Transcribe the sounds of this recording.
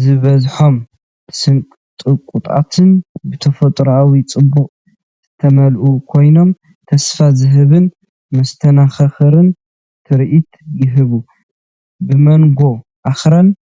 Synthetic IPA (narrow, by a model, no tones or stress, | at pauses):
zɨβɐzħo̞m | ɨsɨnkʼt̪ʼɨkʼut̪ʼa̰t̪ʰɨnbɨt̪ʰɐfot̪ʼɾawit͡sʼɨbːukʼ | z̥ɨt̪ʰɐmɐlʔukʰo̞jno̞m | t̪ʰɐsfazɨɦɨβɨn | mɐst̪ʰɐnaxɐxɨɾɨn | t̪ʰɨɾʔit̪jɪɦɨβu | bɨmɐnɡo̞ | ʔaxɾan